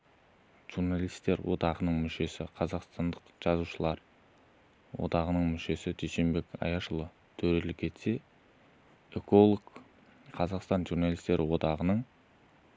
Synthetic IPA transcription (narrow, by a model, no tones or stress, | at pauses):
ʒ̥urnalˠijst̪ːe̞ɾwʔo̞̰d̪ɑʁənəɴmʏʃe̞sɪqʰɑzɑqst̪ɑnd̪əqʒ̥ɑzuʃəlˠɑɾ | wo̰d̪ɑʁənəɴmʏʃe̞sɪd̪ʰejʃe̞mbe̞kɑ̰jɑʃəlˠə | t̪ʰɵɾe̞lɪkʲʰe̞t̪se̞ | eko̞lˠok | qʰɑzɑqst̪ɑnʒurnalˠist̪e̞ɾʔɪwo̞d̪ɑʁənəɴ